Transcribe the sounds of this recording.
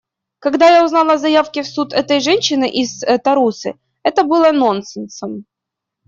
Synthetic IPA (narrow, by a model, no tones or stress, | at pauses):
kɐɡd̪ajaʊznalˠəzɐjafkʲɪfsut̪ɛt̪əjʐɛnʲɕːɪnɨʔɪzt̪ɐɾusɨ̰ | ɛt̪əbɨlˠənonsɨnsəm